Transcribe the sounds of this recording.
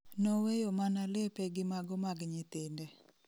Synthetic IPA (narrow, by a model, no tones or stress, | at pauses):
nowejomanalepɛɡɪmaɡɔmaɡɲɪt̪ɪndɛ